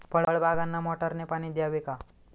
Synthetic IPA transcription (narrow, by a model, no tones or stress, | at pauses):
pəɭəɭbʱaɡanːamɔʈəɾnepaɽ̃id̪jaʋeka